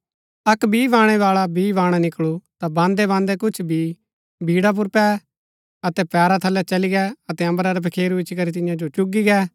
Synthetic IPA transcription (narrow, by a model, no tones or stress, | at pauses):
ɐkbʱiːʋãːɽ̃ɛʋaːɭabiːʋãːɽ̃anɪkɭut̪abãːnd̪ɛβãːnd̪ɛkʊt͡ʃʰbʱiː | bʱiːɽap̬ʊɾpɛː | ɐt̪ɛpɛːɾat̪ʰɐlːɛt͡ʃɐliɡɛːɐt̪ɛɐ̃mbɾaɾɛpʰɐkʰeːɾubɪt͡ʃkɐɾit̪̬ɪjãd͡ʒot͡ʃʊɡiɡɛː